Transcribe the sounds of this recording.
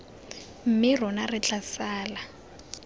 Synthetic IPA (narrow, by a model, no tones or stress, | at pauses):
m̩mɪrɔnarɪt͡ɬʼasaːla